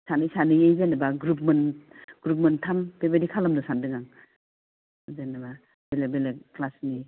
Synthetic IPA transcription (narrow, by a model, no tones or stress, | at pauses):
sanɯjsanɯjejzenabaɡɾupmenɡ̥ɾup̬mɯntʰampebedikʰalamdɯsandɯŋaŋ | zenaba | belebeleklasni